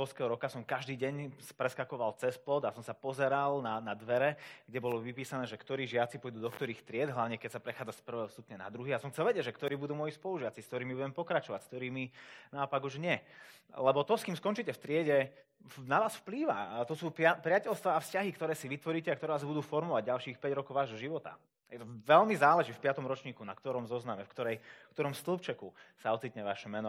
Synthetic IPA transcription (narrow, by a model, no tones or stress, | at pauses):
ɔlskɛɦɔɾɔkasɔmkaʒd̪iːɟɛɲspɾɛskakɔʋalt͡sɛsplɔd̪asɔmsapɔzɛɾalnanad̪ʋɛɾɛɡɟɛbɔlɔʋipiːsanɛːʒɛkt̪ɔɾiːʒɪat͡sipɔjd̪uːd̪ɔkt̪ɔɾiːxft̪ɾɪɛd̪ɦlaʊɲɛkɛcsapɾɛxaːd͡zaspr̩ʋɛːɦɔst̪upɲɛna̰d̪ɾuɦiːasɔmxtt͡sɛlʋɛɟɛɟʒɛkt̪ɔɾiːbud̪uːmɔjispɔluʒɪat͡siskt̪ɔɾiːmibuɟɛmpɔkɾat͡ʃɔʋa̰cskt̪ɔɾiːminaɔpaɡuʒɲɪɛ | lɛbɔt̪ɔskiːmskɔnt͡ʃicɛft̪ɾɪɛɟɛ | naʋaːsfpliːʋa̰t̪ɔsuːpapɾɪacɛlst̪ʋaːfscaɦikt̪ɔɾɛːsiʋit̪ʋɔɾiːcɛak̚t̪ɔɾɛʋaːzbud̪uːfɔɾmɔʋaɟɟalʃiːxpɛɟɾɔkɔʊʋaːʒɔʒiʋɔt̪a̰ | jɛt̪ɔʋɛlmizaːlɛʒifpɪat̪ɔmɾɔt͡ʃɲiːkuna̰k̚t̪ɔɾɔmzɔznamɛfkt̪ɔɾɛjkt̪ɔɾɔmst̪l̩ˠpt͡ʃɛkusaɔt͡sit̪ɲɛʋaʃɛmɛnɔ